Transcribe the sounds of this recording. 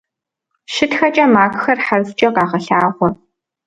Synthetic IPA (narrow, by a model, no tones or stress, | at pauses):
ʃɪtxɐt͡ʃʼɐmaːkʼxɐrħarst͡ʃʼɐqaːʁɐɬaːʁʷɔ